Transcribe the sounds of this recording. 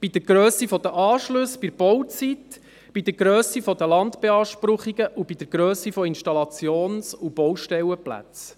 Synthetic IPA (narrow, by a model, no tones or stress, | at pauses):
b̥id̪əɾɡ̥ɾøːsifɔd̪əʔɑːʃlɵsb̥iɾb̥ɔwt͡sit̪ | b̥id̪əɾɡɾœːsifɔd̪əlɑnt̪b̥eɑːʃpɾʊχiɡ̥əʔub̥id̪əɾɡ̥ɾøːsifɔinʃtɑlɑt͡sjoːnsub̥ɔwʃtɛwəplæ̰t͡s